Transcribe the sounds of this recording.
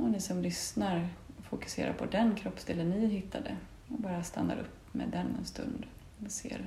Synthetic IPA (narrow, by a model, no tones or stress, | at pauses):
ɔnɪsɔmlʏsnaɾfʊkɵ̥seːɾʔa̰ɾpʰɔd̪ɛnkʰɾɔpːst̪eːlənːɪɦɪt̪ʰːad̪ə | ɔbɑːɾast̪anːa̰ɾʔɵpː | mɛ̰ːd̪ɛnːɛnst̪ɵ̰nd̪ | sḛːɾ